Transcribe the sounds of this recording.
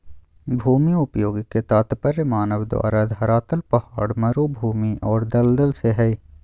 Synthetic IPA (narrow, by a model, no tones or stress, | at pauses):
bʱuːmiʊpjoːɡket̪aːt̪pɐɾɪmaːnəʋd̪ʋa̰ːɾad̪ɦɐɾaːt̪əlpɐhaːɽmɐɾuːbʱuːmiʔɔːɾd̪ɐld̪əlseɦɛi